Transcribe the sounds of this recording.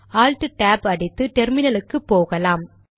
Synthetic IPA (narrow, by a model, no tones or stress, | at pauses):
aːlʈɯʈaːpɐɽɪt̪ːɯʈɛɾmɪnɐlɯkːɯpːoːɣɐlaːm